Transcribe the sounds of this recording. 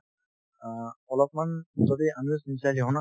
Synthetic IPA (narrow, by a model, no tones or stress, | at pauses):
ɔlɔp̚manzɔd̪ianisnisaliɦɔna